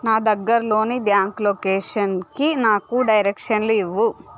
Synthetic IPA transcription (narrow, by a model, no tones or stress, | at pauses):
naːd̪ɐɡːɐɾɐlo̞ːnibjaːŋklokeːʂɐnkinaːkuɖɐjɾekʂɐnluiʋːu